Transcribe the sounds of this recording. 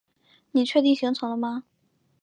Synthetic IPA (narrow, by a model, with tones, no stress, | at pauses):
ni˨˩t͡ɕʰɥɛ˥˧t̪i˥˩ŋɕi˧˥ŋt͡sʰʊ˧˥ŋlə˧ma˧